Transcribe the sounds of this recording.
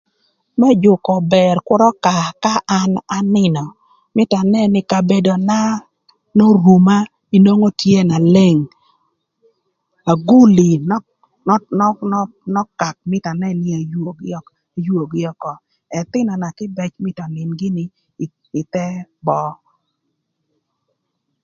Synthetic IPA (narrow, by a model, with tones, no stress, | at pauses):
mɛ˦d͡ʒʊ˨kɔ˨bɛ˨rkwʊ˦ɾɔ˦ka˨ka˦ʔa˦na˨nɪ˦nɔ˨ | mɪ˦ta˨nɛ˦nɪ˦ka˨be˨do˨na˦ | no˦ɾu˨ma˦ | i˦no˦ŋo˦tje˦na˨le˦ŋ | a˨ɡu˦li˨n˦ | n˦n˦n˦ | nɔ˦ka˨k̚mɪ˦ta˨nɛ˦nɪ˦a˨jo˨ɡ | jwo˨ɡɪ˦ɔ˦kɔ˨ | ɛ˨t̪ɪ˦nɔ˨na˨kɪ˦bɛ˦t͡ʃmɪ˦tɔ˨nɪ˨nɡɪ˦nɪ˨ | ɪ˨t̪ɛ˦bɔ˦